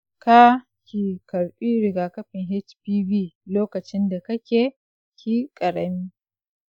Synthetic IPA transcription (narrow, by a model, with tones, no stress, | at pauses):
ka˦ | kʲiː˨kɐ˨ɽɸiː˦ɾɪ˨ɡaː˨kɐ˦ɸɪ˨ŋɦɛ˦t͡ʃpiː˦biː˦˨loː˦kɐ˨t͡ʃɪ˦nda˨kɐ˦kʲeː˨ | kʲiː˨kʼɐ˨ɾɐ˨miː˦